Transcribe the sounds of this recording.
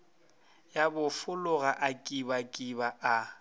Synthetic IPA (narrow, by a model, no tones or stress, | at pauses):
jabʊfʊlʊɣaʔakʼibakʼibaʔa